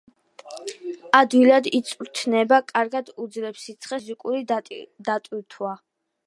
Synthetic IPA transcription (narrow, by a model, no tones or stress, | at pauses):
ad̪wilad̪it̪sʼɾt̪ʰnɛbakʼaɾɡad̪ud̪zlɛpsit̪sʰχɛzikʼuɾid̪at̪ʼwiɾt̪ʰwa